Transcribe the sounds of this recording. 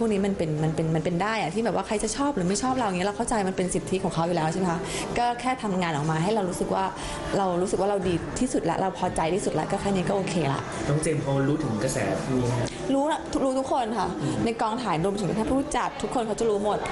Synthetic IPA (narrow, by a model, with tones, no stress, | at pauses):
pʰuː˥˩kni˦˥ma˧npe˧nma˧npe˧nma˧npe˧ndaː˥˩jʔa˨˩iː˥˩bɛː˨˩p̚waː˥˩kʰa˧jt͡ɕa˨˩t͡ɕʰɔː˥˩p̚ɾɯː˩˦ma˥˩jt͡ɕʰɔː˥˩p̚ɾa˧wʔŋi˦˥˩ɾa˧wkʰwt͡ɕa˧jma˧npe˧nsi˨˩t̪ʰːi˦˥kʰɔː˨˩˦ŋkʰa˦˥wju˨lɛː˦˥wt͡ɕʰa˥˩me˧kʰa˦˥kɔː˥˩kʰɛː˥˩t̪ʰa˧mŋaː˧nʔɔː˨˩k̚maː˧ɦa˥˩jɾa˧wɾuː˦˥sɯ˨˩k̚waː˥˩ | ɾa˧wɾuː˦˥sɯ˨˩waː˥˩ɾa˧wdiː˧t̪ʰiː˥˩su˨˩t̪̚la̰˦˥ɾa˧wpʰɔː˧t͡ɕa˧jt̪ʰiː˥˩su˨˩lɛ̰˦˥kɔː˥˩kʰaː˦˥˩niː˦˥kɔː˥˩ʔoː˧kʰeː˧la̰˦˥ʔt̪ɔ˥˩ŋt͡ɕeː˧mpʰɔː˧ɾuː˦˥t̪ʰɯ˨˩˦ŋka˧sɛ̰ː˨˩˦ | ɾuː˦˥a˧t̪ʰu˦˥k̚ɾuː˦˥t̪ʰu˦˥kʰːo˧nkʰa˥˩na˧jkɔː˧ŋt̪ʰaː˩˦nɾu˧mt̪ʰɯ˨˩˦ka˦˩t̪ʰaː˥˩pʰu˥˩˥t͡ɕa˨˩k̚t̪ʰu˦˥kʰːo˧nkʰa˦˥wt͡ɕa˨˩ɾuː˦˥mo˨˩t̪̚